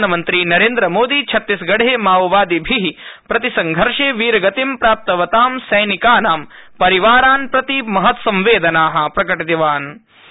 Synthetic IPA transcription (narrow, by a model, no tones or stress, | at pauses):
nɐmɐnt̪ɾiːnɐɾeːnd̪ɾɐmoːd̪iːt͡ʃʰɐt̪ːisɡɐɽeːmaːʋʋaːd̪ibʱiɦipɾɐt̪isɐŋɡʱɐɾʂeːʋiːɾɐɡɐt̪impɾaːp̚t̪ɐʋɐt̪aːmsɐjnikaːnaːm | pɐɾiʋaːɾaːnpɾɐt̪imɐɦɐt̪sɐ̃mʋeːd̪ɐnaːɦɐ̆pɾɐkɐʈit̪iʋaːn